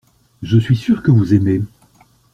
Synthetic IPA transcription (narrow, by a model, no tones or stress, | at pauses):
ʒəsɥisyʁkəvuzeme